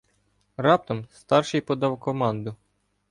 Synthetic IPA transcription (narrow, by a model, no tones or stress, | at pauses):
rɑp̚t̪ɔmst̪ɑrʃɪjpɔd̪ɑwkɔmɑnd̪ʊ